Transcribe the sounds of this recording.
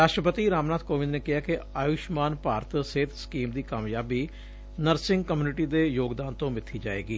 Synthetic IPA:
ɾaːʃʈɾəpət̪iːɾaːmnaːt̪koːʋɪ̃nneːkɪɦaːkɪaːjʊʃmaːnpaːɾət̪seːt̪ʰskiːmd̪iːkaːmjaːbiː | nəɾsɪ̃ŋɡkəmjuːnɪʈiːd̪eːjoːɡd̪aːnt̪õːmɪt̪ʰːiːd͡ʒaːḛːɡiː

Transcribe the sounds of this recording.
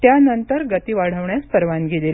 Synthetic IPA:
t̪janənt̪əɾɡət̪iʋaɽ̤əʋɳjaspəɾʋanɡelel

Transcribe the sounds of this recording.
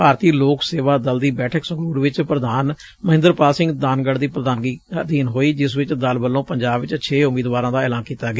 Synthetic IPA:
paːɾt̪iːloːkseːʋaːd̪əld̪iːbɛːʈʰəksəɡuːɾʋɪt͡ʃpɾəd̪aːn | məɦɪ̃nd̪əɾpaːlsɪ̃ŋɡd̪aːnɡəɽd̪iːpɾəd̪aːnɡiːəd̪iːnɦoːiːd͡ʒɪsʋɪt͡ʃd̪əlbəlːõːpəɲd͡ʒaːbʋɪt͡ʃət͡ʃʰeːʊmiːd̪ʋaːɾãːd̪aːɛːlãːnkiːt̪aːɡeaː

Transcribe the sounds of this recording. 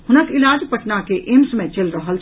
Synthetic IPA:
ɦʊnəkɪlaːd͡ʒpəʈnakeʔɪmsmẽt͡ʃɐlɾəɦəl

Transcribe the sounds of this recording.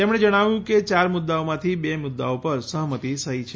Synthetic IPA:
t̪emɳ̃ed͡ʒəɽ̃aʋjũket͡ʃaɾmʊd̪ːaomãt̪ʰibemʊd̪ːa̰opəɾsəɦmət̪isəɦit͡ʃʰe

